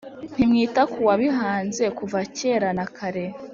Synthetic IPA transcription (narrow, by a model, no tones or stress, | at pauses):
n̥imŋiːtakuwaβiɦaːnze̞kuvaceːɾanakʰaɾe